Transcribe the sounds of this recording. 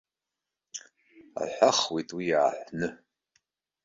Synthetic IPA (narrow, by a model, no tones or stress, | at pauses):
a̰ħʷaχwitʼwijaːħʷnɨ